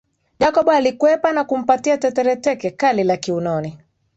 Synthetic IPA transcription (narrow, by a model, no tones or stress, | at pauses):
d͡ʒakɔɓɔalikwɛpanakum̩patiatɛtɛɾɛtɛkɛkalilakiunɔni